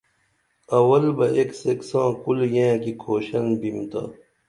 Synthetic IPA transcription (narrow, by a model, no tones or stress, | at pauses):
ɐwɐlbɐeːkseksãːkuljẽːkikʰoːɕɐnbimt̪a̰ː